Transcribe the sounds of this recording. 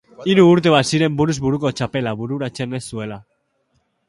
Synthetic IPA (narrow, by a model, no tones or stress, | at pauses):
iɾuːɾt̪e̞βasiɾe̞mbuɾuzβuɾuko̞t͡ʃape̞laβuɾuɾat͡se̞ne̞sːue̞la